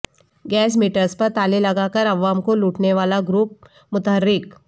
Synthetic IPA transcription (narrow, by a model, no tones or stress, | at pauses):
ɡɛːs̬miːʈəɾspɐɾt̪aːlelɐɡakəɾɐʋaːmkoluːʈneʋaːlaɡɾuːp̚ | mʊt̪əɦəɾːɪk